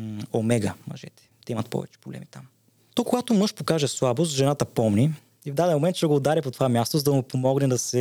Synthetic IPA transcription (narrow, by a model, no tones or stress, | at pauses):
omɛɡəmɐ̰ʒɛ̰t̪ɛ̥t̪ɛimɐt̪pɔ̰vɛ̰t͡ʃɛ̥pɾoblɛ̰mit̪ʰam | t̪ɔkoɡat̪omɤʃpokaʒɛslˠabosʒɛnat̪əpɔmni | ivd̪ad̪ɛnmomɛnt̪ʃɡoːd̪aɾɛpot̪ovamʲjast̪ozɐd̪ɐmupomɔɡnɛd̪ɐsɛ